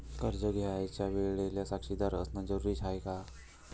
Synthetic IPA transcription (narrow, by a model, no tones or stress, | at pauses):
kəɾd͡ʒəɡjaajt͡ɕaʋeɭeljasakʂid̪aɾəsnad͡ʒəɾuɾit͡ʃʰajka